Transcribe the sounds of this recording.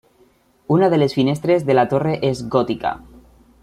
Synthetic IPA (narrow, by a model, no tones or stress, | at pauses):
unaðele̞sfinest̪ɾe̞zðelat̪oreʔezɣot̪ika̰